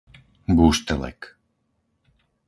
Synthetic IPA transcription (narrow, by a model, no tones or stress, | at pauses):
buʃt̪ɛlɛ̰k